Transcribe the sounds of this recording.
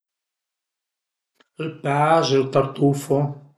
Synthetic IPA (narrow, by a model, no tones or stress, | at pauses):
lpaʒelt̪aɾt̪ufo